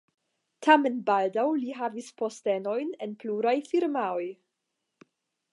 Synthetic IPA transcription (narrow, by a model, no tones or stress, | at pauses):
tʰame̞nbaldawliɦavispo̞ste̞no̞jnenpluɾajfiɾmaoj